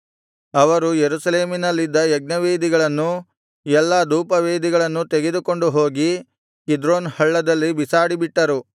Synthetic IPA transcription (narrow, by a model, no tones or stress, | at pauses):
ɐʋɐɾujeɾusɐleːminɐlːid̪ːɐjɛɡ̚nɐʋeːd̪iɡɐɭɐnːu | ɛlːɐd̪uːpɐʋeːd̪iɡɐɭɐnːut̪eɡe̞d̪uko̞ɳɖuɦoːɡi | kid̪ɾoːnhɐɭːɐd̪ɐlːibisaːɽibiʈːɐɾu